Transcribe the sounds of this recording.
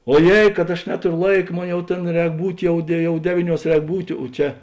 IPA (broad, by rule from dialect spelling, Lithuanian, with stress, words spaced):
oːˈjeːɪ kɐt ɐʃ ˈnʲæːtoːrʲoː ˈlˠɐɪkɐ ˈmoːn jɛʊ ˈtʲeːn ˈrʲɛːk ˈbuːtʲ ˈjɛʊ dʲɛ ˈjɛʊ ˈdʲæːʋʲiːˌnʲuɔs ˈrʲɛːk ˈbuːtʲeː oː ˈt͡ʃʲɛ